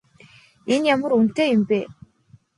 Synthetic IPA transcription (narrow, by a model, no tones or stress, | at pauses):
injamə̆ɾunt̪eːjimpe